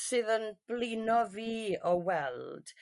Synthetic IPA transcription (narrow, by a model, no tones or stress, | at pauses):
sɨðənb̥lɪnɔviːɔwɛlˠd̥